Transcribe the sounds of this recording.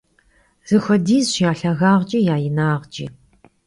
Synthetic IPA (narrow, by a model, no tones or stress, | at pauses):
z̥ɨxʷɐdiːzɕjaːɬɐɣaːʁt͡ʃʼijaːjɪnaːʁt͡ʃʼḭ